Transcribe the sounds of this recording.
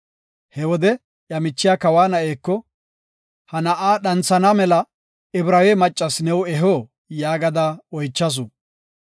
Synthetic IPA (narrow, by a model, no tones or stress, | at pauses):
hɛwɔd̪ɛ | jɐmɪt͡ʃːɪjakɐwaːnɐʔeːkːɔ | hɐnɐʔaːɗɐnt͡sːɐnamɛlɐ | ɪbɾɐweːmɐt͡ʃʼːɐsnɛwɛɦoː | jaːɡɐd̪aːɔjt͡ʃːɐs̬ʊ